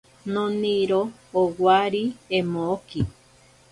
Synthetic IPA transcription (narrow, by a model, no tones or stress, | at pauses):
nõniɾoː | waɾiemoːki